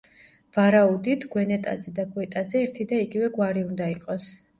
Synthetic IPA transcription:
v̥aɾaud̪it̪ʰɡwɛnɛt̪ʼa̰d̪zɛd̪aɡwɛt̪ʼad̪zɛːɾt̪ʰid̪aiɡivɛɡwaɾiund̪aiqʼɔs

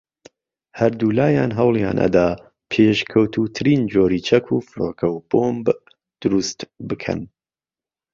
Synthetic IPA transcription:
hɐɾd̪uːlaːjaːnɦɐwlˠja̰ːnʔɐ̰d̪aː | pʰeʃkʰɐwt̪ʰuːt̪ʰɨɾiːnd͡ʒoːɾiːt͡ʃʰɐkʰuːfɨɾoːkʰɐwboːmb | d̪̥ʊɾust̪bɨkʰɐ̰n

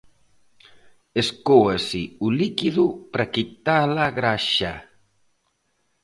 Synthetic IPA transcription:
eskoasiulikiðupɾakit̪alaɣɾaʃa

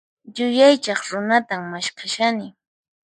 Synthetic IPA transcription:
jʊjajt͡ʃɑχɾʊnat̪aŋmaʃkʰaʃanɪ

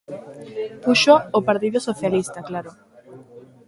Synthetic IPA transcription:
puʃoːpaɾt̪iðosoθjalist̪aklaɾo

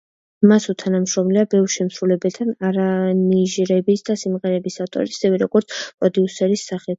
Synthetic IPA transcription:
masut̪ʰanamʃɾɔmliabɛvɾʃɛmsɾulɛbɛt̪ʰanaɾaniʒɾɛbisd̪asimʁɛɾɛbisaft̪ʼɔ̰ɾisɛvɛɾɔɡɔɾt̪sʰpʼɾɔd̪iusɛɾisːaχɛ

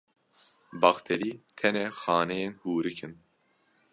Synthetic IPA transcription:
bɑxt̪ʰeɾiːt̪ʰɛnɛxɑːnɛjenhuːɾɨkʰɨn

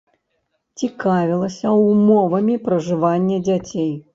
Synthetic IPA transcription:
t͡sʲikavʲilˠɐsʲɐumɔvɐmʲipɾɐʐɨvanʲːɐd͡zʲat͡sʲej

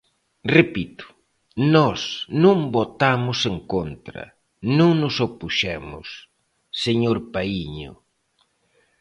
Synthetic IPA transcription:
repit̪ʊ̥ | nɔsnũŋbot̪amʊseŋkont̪ɾɐ̰ | nũŋnʊsopuʃɛmʊ̰s | seɲoɾpaiɲʊ̰

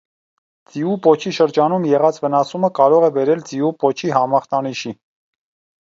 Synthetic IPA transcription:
d͡ziupɔt͡ʃʰiʃəɾd͡ʒɑnumjɛʁɑt͡svənɑsuməkɑɾɔʁɛbɛɾɛlt͡siupɔt͡ʃʰiɦɑmɑχt̪ɑniʃi

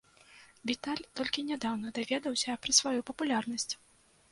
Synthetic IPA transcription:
vʲit̪alʲt̪ɔlʲkʲinʲad̪awnɐd̪avʲɛd̪ɐwsʲɐɛpɾɐsvajupɐpulʲarnɐsʲt͡sʲ

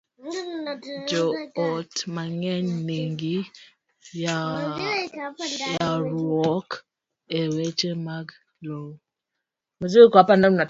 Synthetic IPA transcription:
d͡ʒɔɔtmaŋɛɲniŋɡi | ja | jaɾwɔk | ewet͡ʃemaɡ | lo | maziekwapanana

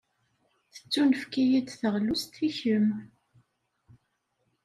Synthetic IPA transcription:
θə̥t͡sːunəfkijid̪θəʁlust̪ʰiçəm

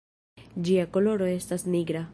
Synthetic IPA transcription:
d͡ʒiakoloɾoest̪asniɡɾa

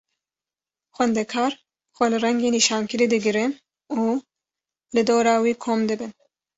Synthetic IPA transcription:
xʷwɛnd̪ɛkʰɑːɾ | xʷɛlɨrɛŋɡeːniːʃɑːnkɨɾiːd̪ɨɡɨɾɨn | uː | lɨd̪oːɾɑːwiːkʰoːmd̪ɨbɨn

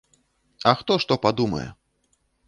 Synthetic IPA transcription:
ɐxt̪ɔʂt̪ɔpad̪umɐ̰jɛ̰

